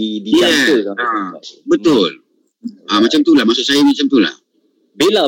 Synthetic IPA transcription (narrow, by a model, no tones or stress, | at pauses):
idiiat̪ukaabət̪ʊl | amat͡ʃamt̪ulahmasʊʔsajamat͡ʃamt̪ula̰h | bila